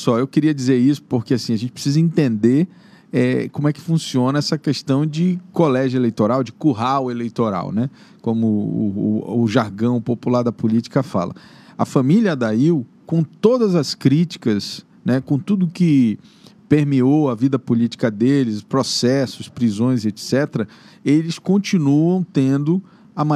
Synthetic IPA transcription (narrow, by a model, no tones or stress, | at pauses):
sɔewkɪɾiɐd͡ʒizeɾisʊ̥poɾkeasĩɐʒẽtt͡ʃɪpɾɪ̥sizɐẽnt̪ẽnd̪eɾ | ɛkõmʊɛkɪ̥fũsiõnɐɛsɐkeʃt̪ɐ̃w̃d͡ʒɪkolɛʒelejt̪oɾawd͡ʒɪkuɦawʊelejt̪oɾa̰wnɛ | kõmʊ̰ː | ʒaɾɡɐ̃w̃populaɾd̪ɐpulit͡ʃi̥kɐfa̰lɐ̰ | ɐfɐ̃miljɐd̪aiw | kõt̪od̪ɐzɐskɾit͡ʃi̥kɐs | nɛkõt̪ud̪ʊkɪ | peɾmiowɐvid̪ɐpulit͡ʃi̥kɐd̪elɪspɾosɛsʊspɾizõj̃zet̪sɛt̪ɾɐelɪskõnt͡ʃinuɐ̃w̃t̪ẽnd̪ʊ | ɐma